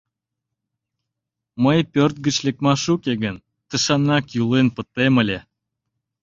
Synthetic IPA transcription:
məjpørt̪̚ɡət͡ɕlek̚mɑʃukeɣən | t̪əʃɑnːɑkjulenpət̪eməlʲe

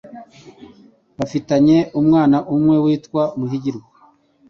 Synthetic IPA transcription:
βafitaɲe̞umŋaːnaʔumŋe̞wiːtkwamuɦiɟiɾɡa

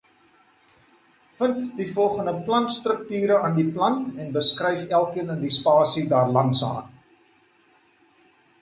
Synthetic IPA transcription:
fəntdifɔlˠχəndəplɐntstrək̚tyːɾəɑːndiplɐntɛnbəskrəjfælˠkiənəndispɑːsidɑːrlɐntsɑ̰ːn

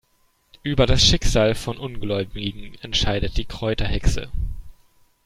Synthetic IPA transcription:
ʔyːbɐdasʃɪkz̥aːlfɔnʔʊnɡlɔʏbɪɡŋ̩ɛntʃaɪdət̚d̥iːkʁ̥ɔʏtɐhɛksə̰

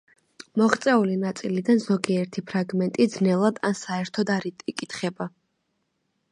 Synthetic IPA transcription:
mɔχt̪sʼɛulinat̪sʼilid̪anzɔɡiɛɾt̪ʰipʰɾaɡmɛnt̪ʼid̪znɛlˠad̪ansaɛɾt̪ʰɔd̪aɾit̪ʼikʼit̪ʰχɛba

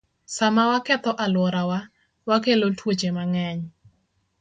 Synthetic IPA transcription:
samawakɛt̪ɔʔalwɔɾawa | wakelotwot͡ʃemaŋɛɲ

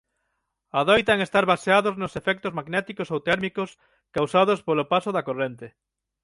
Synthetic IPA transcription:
aðojt̪aŋest̪aɾβaseaðoznʊsefɛk̚t̪ozmaɡnɛt̪ikosowt̪ɛɾmikos | kawsað̞ospolopasoðakorent̪e

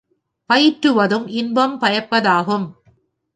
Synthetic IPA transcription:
pɐjɪʈɾɯʋɐðɯmɪnbɐmpɐjɐpːɐðaːɣɯm

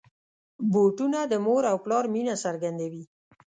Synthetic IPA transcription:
boʈunad̪əmoɾawklɑɾminasaɾɡand̪awi

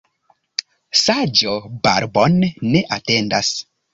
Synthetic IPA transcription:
sad͡ʒoba̰ɾbonːeʔatendas

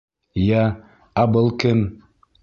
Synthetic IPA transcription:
jæ | abɤlˠkɘn

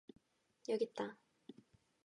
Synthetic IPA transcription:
jʌɡit̚t͈a

